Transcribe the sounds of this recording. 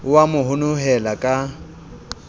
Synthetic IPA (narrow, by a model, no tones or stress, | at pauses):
wamʊɦʊnʊɦɛlakʼa